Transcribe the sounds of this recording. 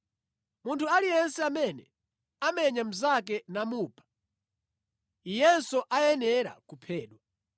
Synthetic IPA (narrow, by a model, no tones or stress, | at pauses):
muntʰualijɛnsɛamɛnɛ | amɛɲam̩zak̬ɛnamuːpʰḁ | ijɛnsɔʔajɛnɛɾa̰kupʰɛːɗwa